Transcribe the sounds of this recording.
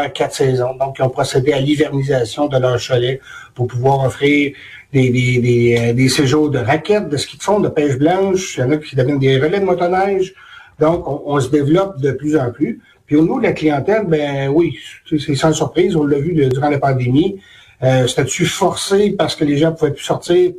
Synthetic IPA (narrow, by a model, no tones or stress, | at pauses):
kʲat̪sɛzɔ̃d̪ɔ̃kːiɔ̃pʁɔsed̪ealivɛʁnizasjɔ̃d̪əlœːʁʃɔlɛ | pʊʁpuvwaːʁɔfʁiːʁ | d̪ed̪ed̪ed̪eseʒod̪əʁakʲɛt̪̚d̪əsə̥kʲi̥t̪fɔ̃d̪əpɛːʒblɑ̃ʃjɑ̃ːnakʲʰi̥d̪əvjɛnd̪eʁəlɛd̪əmɔt̪ɔnɛʒ | d̪ɔ̃kɔ̃ʔɔ̃səd̪evlɔp̚d̪əplyzɑ̃ply | pɥionivod̪əlaklijɑ̃t̪ɛlbɛ̃wisesɑ̃syʁpʁiːzɔ̃lːavyd̪yʁɑ̃lapɑ̃d̪emi | øse̥t̪ɛsyfɔʁsepaʁsə̥kəleʒɑ̃puvɛpy̥sɔʁt̪iːʁ